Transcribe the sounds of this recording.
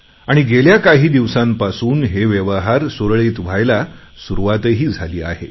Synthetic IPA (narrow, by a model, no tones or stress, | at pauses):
aɽ̃iɡeljakaɦiːd̪iʋsãmpasuːnɦeʋjeʋəɦaɾsoɾɭeːt̪ʋ̤ajla | suɾuʋat̪əɦiːd͡zʱaliːa̰hḛ